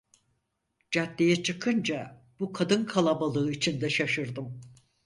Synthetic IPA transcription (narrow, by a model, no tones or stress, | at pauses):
d͡ʒat̪ːʲejɛt͡ʃʰɯkʰɯnd͡ʒa | b̥ukʰad̪ɯnkʰalˠabalˠɯːit͡ʃʰind̪ɛʃaʃɯɾd̪ɯm